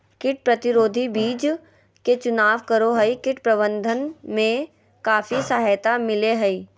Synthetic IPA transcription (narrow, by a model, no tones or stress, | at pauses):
kɪʈ̚pɾɐt̪ɪɾoːd̪ʱibiːd͡ʒ | ket͡ʃʊnaːʋkəɾoɦəikɪʈpɾɐbə̃nd̪ʱənmẽ | kaːfisaːɦt̪amɪleɦɐi